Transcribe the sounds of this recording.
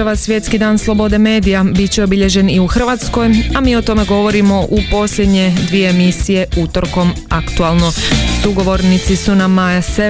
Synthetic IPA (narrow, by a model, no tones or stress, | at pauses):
aʋasʋje̞t̪skid̪aːnslˠo̞bo̞d̪e̞me̞ːd̪ijabit̪t͡ɕeobiʎe̞ʒe̞niuxr̩ʋat̪sko̞jamiːo̞t̪o̞me̞ɡo̞ʋo̞ɾimo̞ʔupo̞slʎʲed̪ɲe̞d̪ʋije̞ːmisije̞ut̪o̞ɾko̞makt̪ualˠno̞suɡo̞ʋo̞ɾnit̪sisunamajase